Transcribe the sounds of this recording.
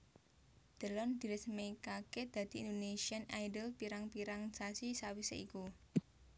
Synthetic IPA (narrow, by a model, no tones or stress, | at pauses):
d̪̥ə̤lɔnd̪̥i̤ɾəsmekaked̪̥ä̤d̪̥i̤̰ːnd̪onesianajdəlpiɾaŋpiɾaŋsasisawisḛʔiku